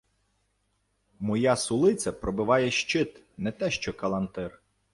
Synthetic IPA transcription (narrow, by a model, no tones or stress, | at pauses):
mɔjɑsʊlˠɪt͡sʲɐpɾɔbɪʋɑjɛʃt͡ʃɪt̪ | nɛt̪ɛʃt͡ʃɔkɐlˠɐnt̪ɪr